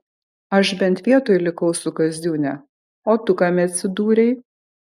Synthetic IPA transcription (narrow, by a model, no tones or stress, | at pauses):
ɐʃbʲɛnʲt̪ʲʋʲiɛt̪oːjlʲɪkɐʊsʊkɐzʲd̪ʲuːnʲɛ | oːt̪ʊkɑmʲɛɐt̪ʲsʲɪd̪uːɾʲɛɪ